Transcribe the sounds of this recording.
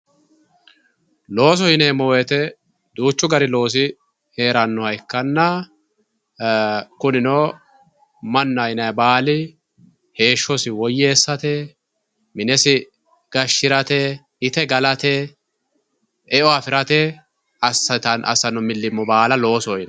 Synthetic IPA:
lo̞ːs̬ɔhɪneːmɔwɛt̪ɛ | d̪uːt͡ʃːʊɡɐɾɪlo̞ːs̬ɪ | heːɾɐnːɔhɐjkːɐnːɐ | kʊnɪnoː | mɐnːɐjɪnɐjɐbaːlɪ | he̞ːʃːɔsɪwɔjːeːsːɐt̪ɛ | mɪnɛsɪ | ɡ̥ɐʃːɪɾɐt̪ɛ | ɪt̪ɛɡɐlɐt̪ɛ | ɛʔɔɐfɪɾɐt̪ɛ | ɐsɐt̪ɐnʔɐ̰sːɐnɔmɪlːɪmːɔbaːlɐlo̞ːsɔɪnɐ

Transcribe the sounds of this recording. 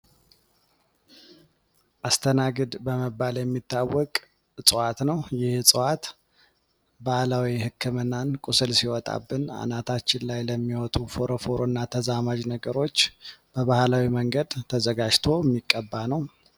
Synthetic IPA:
ʔast̪ʰənaɡəd̪bəməbaljɛmːit̪ːawːɔkʼ | sʼɨwat̪nəwjɪhsʼɨwat̪ | bahlawihɨkʰːɨmɨnːankʼusɨlsiwɔt̪ʼa̰bːɨna̰nat̪ʰat͡ʃːɪnlajləmːiwɔt̪ʼufo̞ɾofoɾonːat̪ʰəzamad͡ʒnəɡəɾo̞t͡ʃːb̥əβahlawiməŋɡəd̪t̪ʰəzəɡad͡ʒt̪ʰo̞ɛmːikʼːəbːanəw

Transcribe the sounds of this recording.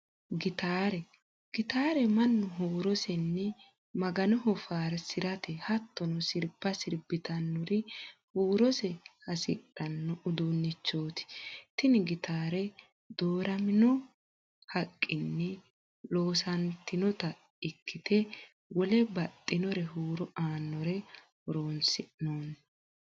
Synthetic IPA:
ɡɪt̪aːɾɛ | ɡ̥ɪt̪aːɾɛmɐnːɔɦuːɾɔsɛnːɛ | mɐɡɐnɔhɔfaːɾsɪɾɐt̪ɛhɐt̪ːɔnɔsɪɾbɐsɪɾbɪt̪ɐnːʊɾɪhuːɾɔsɛhɐsɪ̰ᶑɐnːɔʔʊd̪unːɪt͡ʃːoːt̪ɪ̥t̪ɪnɪɡɪt̪aːɾɛ | d̪oːɾɐmɪnɔ | hɐkʼːɪnːɛ | lo̞ːsɐnt̪ːɪnɔt̪ɐ | ɪkːɪt̪ɛ | wɔlɛbɐt̪ʼːɪnɔɾɛɦuːɾɔaːnːɔɾɛ | hɔɾoːnsɪnoːn

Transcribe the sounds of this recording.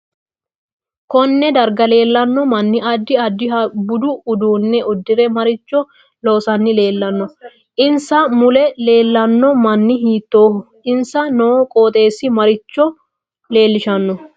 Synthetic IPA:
kɔnːɛd̪ɐɾɡɐle̞ːlːɐnːɔmɐnːɪʔɐd̪ːɪɐd̪ːɪɦɐbʊd̪ʊːd̪uːnːɛʔɔd̪ːɪɾɛmɐɾɪt͡ʃːɔ | lo̞ːsɐnːɪle̞ːlːɐnːɔ | ʔɪnsɐmʊlɛle̞ːlːɐnːɔmɐnːɪɦiːt̪ːo̞ːhʊ | ɪnsɐnɔkʼoːt̪ʼe̞ːsːɪmɐɾɪt͡ʃːɔ | le̞ːlːɪʃɐnːɔ

